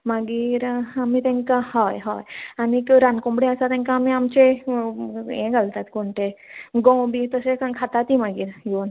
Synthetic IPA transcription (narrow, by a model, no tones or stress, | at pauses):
maɡiːɾamiːt̪ɛ̃ŋkahɔjɦɔjanikɾankõmbɽeəsat̪ɛ̃ŋkaːmiamt͡ɕe | ḛ̃ɡʱalt̪at̪koɳʈ̪eɡɔ̃wbiːt̪əsekãkʰat̪at̪imaɡiːɾjon